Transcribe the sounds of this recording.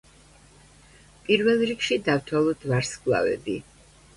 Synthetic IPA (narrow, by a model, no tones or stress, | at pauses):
pʼiɾvɛlˠɾikʃid̪avt̪ʰwalˠɔd̪̥vaɾskʼlˠa̰vɛ̰b̪i